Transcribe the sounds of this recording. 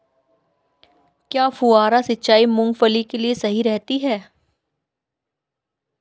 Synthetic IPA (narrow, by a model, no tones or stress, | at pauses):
kjaːfuaːɾasɪtːʃaːimʊ̃ŋɡfəlikeliesɐɦiɾɛɦt̪iɦɛː